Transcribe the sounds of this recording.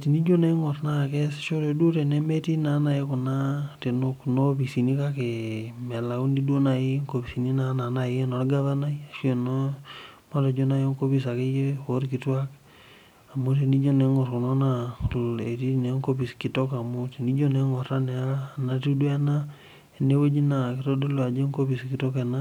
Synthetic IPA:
ti˨ni˦d͡ʒo˦ne˦ŋɔ˨tna˦˨kɛ˦sʃo˦ɾe˨du˦ɾe˨nɛ˦me˦ti˦na˨˦na˨je˦ku˨na˦te˨no˦kno˦pi˨si˨ni˦ka˦ke˨mɛ˨la˨u˦ndi˦du˦o˦na˨je˦ŋko˨pi˨si˨ni˦na˨na˨na˨jno˨ɡa˦βa˦na˦i˦a˨ʃwe˨no˦ma˦lo˨d͡ʒo˦na˦jo˦ŋko˦pi˦sa˨ke˦je˦o˦ɾki˨˦twa˦k | a˨mu˦ti˨ni˦d͡ʒo˦ne˨˦ŋɔ˨ɾku˨no˦na˦e˨ti˦˨ne˨˦ŋko˦pi˨ski˨to˦ka˨mu˦ti˨ni˦d͡ʒo˦ne˨ŋɔ˨ɾa˦ne˨a˦na˦tu˦du˦ɛ˦na˦˨ | ne˦we˦d͡ʒi˦na˨ki˨to˦do˦lo˦a˨d͡ʒe˦ŋko˦pi˨ski˨to˦ke˨na˦

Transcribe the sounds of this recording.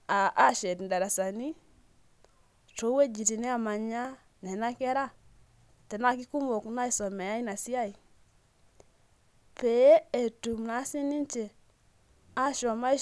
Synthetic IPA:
a˨ʔa˦ʃe˨di˨nda˨ɾa˨sa˨ni˦ | to˨˦we˦d͡ʒi˨ti˨ne˦a˨ma˨ɲa˦ | ne˨na˦ke˦ɾa˦˨ | te˨na˦ki˦ku˦mo˨kna˦i˨so˨me˨ja˦i˦na˨si˦ja˦i˨ | pe˨je˦e˨tu˨mna˨˦si˦ni˦nt͡ʃe˨ | a˦ʃo˨ma˦i˦

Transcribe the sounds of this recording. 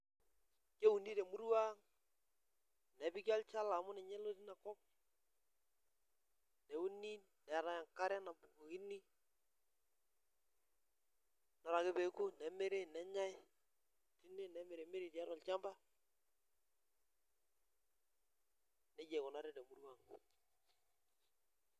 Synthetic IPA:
ke˦u˨ni˦tɛ˨mu˦ɾwa˦ŋ | nɛ˨˦bi˦ka˦lt͡ʃa˦la˨mʊ˦nɛ˨ɲɛ˦lo˦ti˦na˨kɔ˦p̚ | nɛ˨u˦ni˦ | nɛ˨ɾa˨ja˨ŋka˦ɾɛ˦na˨bu˨ko˨ki˦ni˦ | na˨ɾa˨kɪ˦be˨˦ku˦nɛ˨me˦ɾe˦nɛ˨˦ɲa˦j | ti˦ne˦nɛ˨˦me˨ɾe˨me˦ɾi˨ta˦ɾɔ˨lt͡ʃa˦mba˦ | nɛ˦d͡ʒe˨ko˨na˦ɾe˦de˨mu˨ɾwa˦˨ŋ

